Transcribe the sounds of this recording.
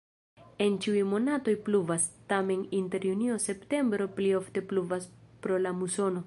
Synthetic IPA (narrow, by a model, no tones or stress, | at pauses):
e̞nt͡ʃiujmo̞nato̞jpluvastame̞ninte̞ɾjunio̞se̞pte̞mbɾo̞plio̞fte̞pluvaspɾo̞lamuso̞no̞